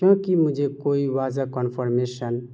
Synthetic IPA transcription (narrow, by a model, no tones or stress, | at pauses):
kjõkimʊd͡ʒʱekoiwad͡ʒakənpʰəɾmesən